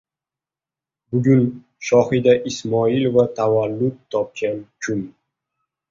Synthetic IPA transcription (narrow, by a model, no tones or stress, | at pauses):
bʊɡʲʊn | ʃɒhɪd̪aʔɪsmɒɪlvat̪ʰavalːʊt̪ʰːɒp̚kʲankʰʊm